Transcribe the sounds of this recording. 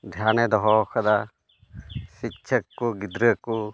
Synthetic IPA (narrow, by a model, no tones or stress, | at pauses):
d̪ʱjanɛd̪ɔɦɔkʰad̪a | sik̚t͡ʃʰəkːuɡid̪ɾəku